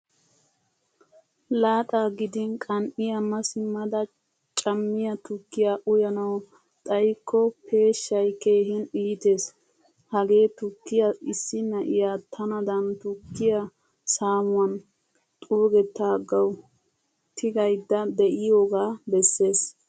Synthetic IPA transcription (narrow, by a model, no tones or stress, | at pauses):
laːt̪ʼaːɡɪd̪ɪnkʼɐnʔɪjɐmɐsɪmːɐd̪ɐ | t͡ʃʼɐmːɪjɐt̪ʊkːɪjaʔʊjɐnɐw | t̪ʼɐjkʰːɔpʰe̞ːʃːɐjke̞ːɦɪnʔiːt̪e̞ːs | hɐɡe̞ːt̪ʊkːɪjɐɪsːɪnːɐʔɪjaːt̪ʰɐnɐd̪ɐnt̪ʊkːɪjɐ | saːmʊwɐn | t̪ʼuːɡɛt̪ːaːɡːɐw | t̪ʰɪɡɐjd̪ːɐd̪ɛʔɪjoɡaːbɛsːe̞ːs